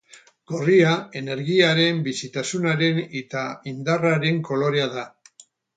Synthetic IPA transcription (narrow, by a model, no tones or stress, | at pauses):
ɡ̥o̞riae̞ne̞ɾɣiaɾe̞mbisit̪asunaɾe̞ne̞t̪aind̪araɾe̞ŋko̞lo̞ɾeaða